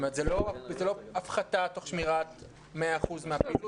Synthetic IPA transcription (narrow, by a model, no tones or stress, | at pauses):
meʁt̪zelozeloafχat̪at̪o̞χʃmiʁat | meaːχuzmeapil